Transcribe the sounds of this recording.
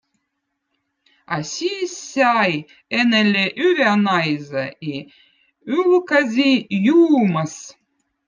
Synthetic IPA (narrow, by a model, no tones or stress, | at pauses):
ɑsʲisːʲɑj | enelʲeʔyvʲænɑjzəi | ylkazʲijuːməs